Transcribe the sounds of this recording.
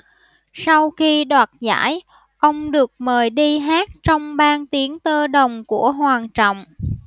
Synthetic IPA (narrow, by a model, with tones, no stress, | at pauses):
sa˧wxi˧ɗwaː˨˩t̚za̰ː˧˥˩j | ʔə˧wŋ͡mɗɨ˨˩ək̚məː˨˩jɗi˧ɦaː˦˥t̚t͡ɕɔ˧wŋ͡mɓaː˧nt̪i˨˦ənt̪əː˧ɗə˨˩wŋ͡mku˧˩əɦwaː˨˩ŋt͡ɕɔ̰˧˨wŋ͡m